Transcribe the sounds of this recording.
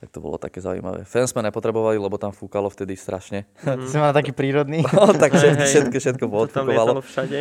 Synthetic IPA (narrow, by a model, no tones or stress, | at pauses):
t̪ak̚t̪ɔbɔ̰lɔ̰t̪a̰kɛːza̰ṵjma̰ʋɛ̰ːfɛnzmɛɲɛpɔt̪ɾɛbɔʋalilɛbɔt̪amfukalɔft̪ɛd̪ist̪ɾʔa̰ʃɲɛsɛmanat̪akiːpɾiːɾɔd̪niːɔt̪akʃɛt̪kɛt̪kɛfʃɛt̪kɔpɔt̪fukɔʋalɔʃaɛ